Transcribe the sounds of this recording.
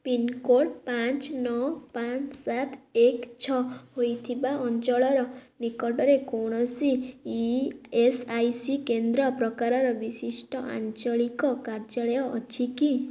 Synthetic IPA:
pinkoʈpant͡ʃnɔwpant͡ʃsat̪ekt͡ʃʰɔhojt̪ʰibaɔnt͡ʃɔɭɔɾɔnikɔʈɔɾekoɽ̃ɔsi | esajsikend̪ɾɔpɾɔkaɾɔɾɔbisisʈɔʔa̰nt͡ʃɔɭikɔkaɾd͡ʒaɭɔjɔːt͡ʃiki

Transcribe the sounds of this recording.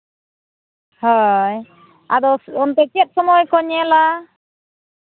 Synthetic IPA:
hɔj | ad̪ɔɔnt̪ɛt͡ʃɛt̪̚ˀsɔmɔjkɔɲɛla

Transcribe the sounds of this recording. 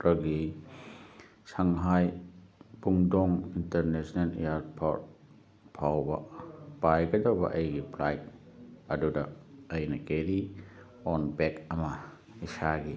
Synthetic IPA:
ɾɐɡi | sɐŋɦaj | puŋdɔŋinteɾnesnɐlḛjaɾpʰo̰t̚ | pʰawbɐ̰pajɡɐdawbɐ̰ʔɐjɡipʰlajk̚ | ɐdudɐɐjnɐkeɾi | ɔnbekɐmɐ | isaɡi

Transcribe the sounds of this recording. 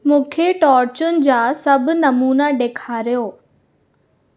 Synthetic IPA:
mũːkʰeʈɔːɾt͡ɕʊnɪ̆d͡ʑaːsɐbʱʊ̆nɐmuːnaɖeːkʰaːɾijoː

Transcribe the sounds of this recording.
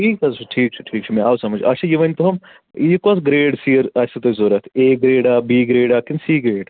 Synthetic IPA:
ʈʰiːkɐzt͡ʃʰuʈʰiːk̚t͡ʃʰu̥ʈʰiːk̚t͡ʃʰumɛaːwsɐmɐd͡ʒɐt͡ʃʰajiʋɐnʲt̪oɦɐm | ikɔːsɡɾeːɖsiːəɾɐsɐt̪ɐzoːɾɐt̪ʰeːɡɾeːɖaːbiːɡɾeːɖaːkinsiːɡɾeːɖ

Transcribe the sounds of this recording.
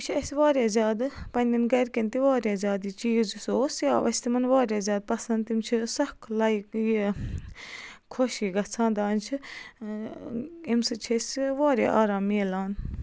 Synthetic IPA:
mt͡ʃʰiɐsʲʋaːɾjaːzʲaːd̪pɐnʲd̪inɡɐɾkint̪iʋaːɾjaːzʲaːd̪iːt͡ʃiːzsoːsija̰ːʋɐ̰st̪imɐnʋaːɾʲjaːzʲaːd̪̚pɐsɐnd̪t̪imt͡ʃʰisɐkʰlɐikji | kʰoʃiːɡɐt͡sʰãːnd̪aːnt͡ʃʰi | imsɨt͡ʃʰisʲʋaːɾʲa̰ːʔaːɾaːmːiːlaːn

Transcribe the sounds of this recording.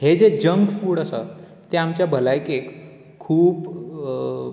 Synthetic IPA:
hed͡zed͡ʑəŋɡfuːɽəsə̰ | t̪eamt͡ɕjabʱəlajkek | kʰːuːp

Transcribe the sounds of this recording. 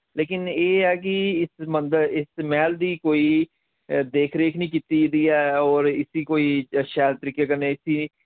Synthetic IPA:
leːkɪneːɛːk̬ɪɪsmənd̪əɾɪsmɛːld̪iːkoːiː | d̪eːkʰɾeːkʰnĩːkit̪iːd̪iːɛːɔːɾɪsiːkoːiːʃɛːlt̪əɾiːkeːkəɾneːɪsiː

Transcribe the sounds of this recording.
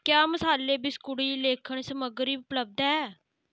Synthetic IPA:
kjaːməsaːleːbɪskʊɽiːleːkʰəɳsəməɡɾiːʊpləb̚d̪aɛː

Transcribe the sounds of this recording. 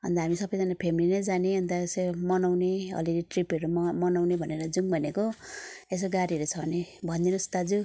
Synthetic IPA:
ʌ̰nd̪aɦamisʌbʌjd͡zʌnapʰemilinʌjd͡zaneɦʌnt̪aesemʌnawneʌ̰liɾiʈripʌɾumʌnawnebʱʌneɾʌd͡zuŋbʱʌnekoes̬oɡaɾiʌɾut͡sʰʌnebʱʌnd̪inust̪ad͡zu

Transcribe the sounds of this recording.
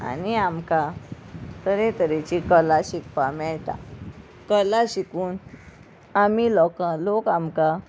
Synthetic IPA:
a̰niamka | t̪əɾẽt̪əɾet͡ɕikəlaɕikpamɛɭt̪a̰ | kəlaɕikuːn | amilɔkãlokamka

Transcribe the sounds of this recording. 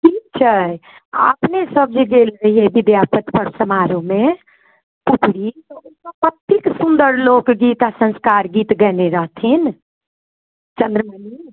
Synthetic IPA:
ʈʰik̚t͡ʃʰə | ə̰pnesəb̚d͡ʒeɡelɾəɦiebid̪japət̪pəɾsəmaɾome | pupɽit̪ɔunkəpət̪ːiksund̪əɾlokɡit̪asə̃nskaɾɡit̪ɡɛneɾəɦt̪ʰin | t͡ʃənd̪ɾəməni

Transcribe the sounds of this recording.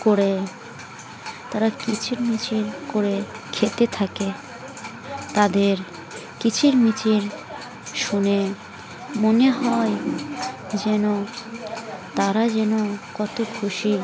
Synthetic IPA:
koɾe | t̪aɾakit͡ɕʰiɾmit͡ɕiɾkoɾekʰet̪et̪ʰake | t̪ad̪eɾ | kit͡ɕʰiɾmit͡ɕiɾ | ʃune | moneɦɔe | d͡ʑɛno | t̪aɾad͡ʑɛnokɔt̪okʰuʃi

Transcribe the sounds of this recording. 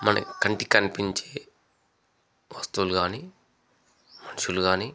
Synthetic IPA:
mɐnɐ̰kɐɳʈikɐnipiɲt͡ʃeː | ʋɐst̪uwluɡaːniː | mɐnuʃuluɡaːniː

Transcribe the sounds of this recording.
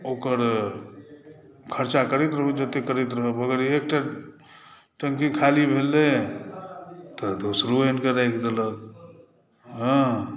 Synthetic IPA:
oːkəɾ | kʰəɾt͡ʃakəɾet̪ɾəɦəd͡ʒət̪ekəɾet̪ɾəɦəbəɡəɾek̚ʈa | ʈə̃ŋkĩkʰalibʱelːe | t̪ɔd̪osɾuenkəɾakd̪ələk | ɦə̃

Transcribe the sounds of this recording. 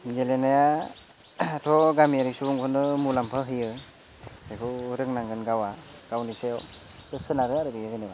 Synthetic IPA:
ɡelenaja | tʰɔɡamiaɾisubuŋpʰɔnɯmulampʰɯɦɯjɯ | akʰɯɾɯŋnaŋɡɯnɡawaɡ̥awnisew | tɯsɯnaɾɯaɾɯbijɯzeneba

